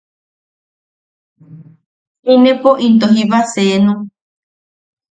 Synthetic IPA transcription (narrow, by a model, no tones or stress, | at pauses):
inẽpoʔint̪oɦiβasenũ